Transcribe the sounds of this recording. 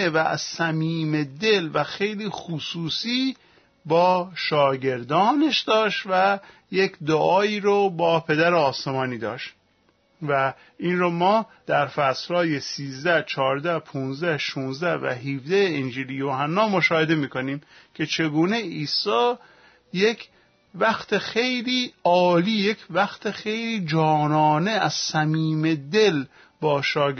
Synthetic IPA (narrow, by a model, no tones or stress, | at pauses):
evææ̰z̥sæmiːmed̪e̞lvæxe̞jliːxusuːsiː | bɒːʃɒːɟe̞ɾd̪ɒːneʃd̪ɒːʃt̪væjekʰd̪oʔɒːiːɾobɒːpʰe̞d̪æɾeɒːse̞mɒːniːd̪ɒːʃt̪ | væ | iːnromɒːd̪̥æɾfæslɒːjesiːzd̪æht͡ʃʰɒːɾd̪æhpʰuːnzd̪æhʃuːnzd̪ævæ̰ɦivd̪æeind͡ʒiːlijoɦænːɒːmoʃɒːhe̞d̪emiːko̞niːm | kʲʰe̞t͡ʃʰe̞ɡuːne̞iːsɒː | jekʰ | væxt̪ʰexe̞jliːɒːliːjecʰvæxt̪ʰexe̞jliːd͡ʒɒːnɒːneæz̥sæmiːme̞d̪e̞l | bɒːʃɒː